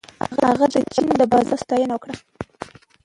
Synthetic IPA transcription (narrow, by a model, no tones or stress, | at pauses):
ha̰ɣahaɣad̪ət͡ʃainoləbɑzɑst̪ɑjənawəkɽa